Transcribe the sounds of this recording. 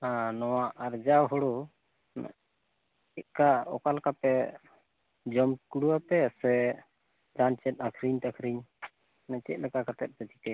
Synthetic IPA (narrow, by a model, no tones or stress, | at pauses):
anɔwaʔaɾd͡ʒawɦɔɽu | n̰ | ɛʔ̚kaɔ̰kalkapɛ | d͡ʒɔmkuɽuwapɛsɛ | d͡ʒant͡ʃɛt̪̚ˀakʰɾiɲt̪akʰɾiɲ | nɛt͡ʃɛ̰ʔ̚ˀlɛkakat̪ɛ̰t̪̚pɛt͡ʃit̪ɛ